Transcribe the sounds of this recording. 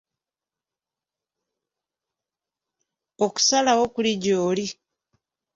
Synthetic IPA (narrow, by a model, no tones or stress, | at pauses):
oku̥salawokuliɟoːli